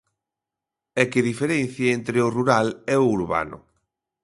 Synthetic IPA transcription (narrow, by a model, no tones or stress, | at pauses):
ɛkɪðifeɾɛnθjaent̪ɾeʊruɾalɛʊuɾβa̰nʊ̰